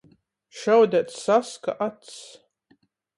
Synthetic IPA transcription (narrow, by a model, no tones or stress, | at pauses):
ʃawd̪at̪saska̰ʔat̪s